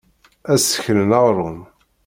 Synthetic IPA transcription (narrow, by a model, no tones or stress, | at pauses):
æsə̥çənənɑʁɾˤʊn